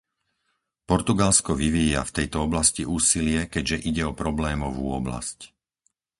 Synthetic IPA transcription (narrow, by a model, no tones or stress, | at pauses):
pɔɾt̪uɡalskɔʋiʋiːja̰ft̪ɛjt̪ɔɔblasciʔuːsilɪɛkɛɟʒɛʔiɟɛɔpɾɔblɛːmɔʋuːɔbla̰sc